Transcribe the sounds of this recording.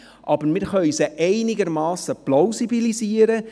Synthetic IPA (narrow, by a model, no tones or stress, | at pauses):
ʔɑb̥əɾmɪɾχœɥsəʔɛɪnɪɡəɾmɑːsəplowsibiliziːəɾə